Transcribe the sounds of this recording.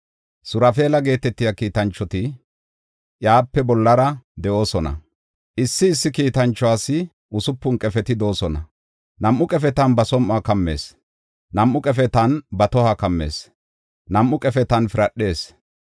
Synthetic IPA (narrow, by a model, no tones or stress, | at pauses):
sʊɾɐfe̞ːlɐɡe̞ːt̪ɛt̪ːɪjakiːt̪ɐnt͡ʃːɔt̪ɪ | ʔjaːpːɛbɔlːɐɾɐd̪ɛʔo̞ːsɔnɐ̰ | ʔɪsːɪːsːɪkiːt̪ɐnt͡ʃːɔaːsɪ | ʔʊsʊpːʊnkʼɛfɛt̪ɪd̪o̞ːsɔnɐ | nɐmːʊkʼɛfɛt̪ɐnbɐsɔmʔaːkɐmːe̞̰ːs | nɐmːʊkʼɛfɛt̪ɐnbɐt̪ɔhakɐmːe̞̰ːs | nɐmʔːʊkʼɛfɛt̪ɐnfɪɾɐɗːe̞ːs